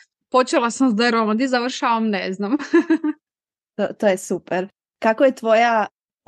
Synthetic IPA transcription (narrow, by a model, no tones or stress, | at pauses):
pot͡ʃelasamzd̪ɛɾomad̪izaʋr̩ʃaʋamneznam | t̪ot̪ojesupɛɾ | kakojet̪ʋoja